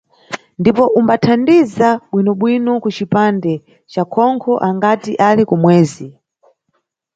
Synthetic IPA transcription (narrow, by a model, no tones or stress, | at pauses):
ndipɔʔumbatʰandizaɓwinɔɓwinɔkut͡ʃipandɛ | t͡ʃakʰɔŋkʰɔʔaŋɡatiʔalikumwɛːzi